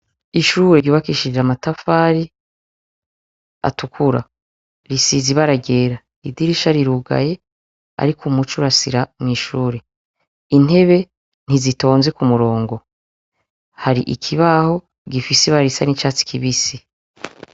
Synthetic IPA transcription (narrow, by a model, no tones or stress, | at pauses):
iʃuːɾeɟuβakiʃid͡ʒamatafaːɾi | a̰tukʰuɾa̰ | ɾisiziβaɾaɡe̞ːɾa | idiɾiʃaɾiɾuɡa̰je̞ | a̰ɾikʰumut͡ʃuɾasḭɾamŋiːʃuːɾe̞ | in̥he̞βe̞ | n̥izito̞ːnze̞kumuɾo̞ːŋɡo̞ | haɾḭʔḭkʰiβaho̞ | ɡifiseβaɾisanit͡ʃaːt͡si̥kʰiβisi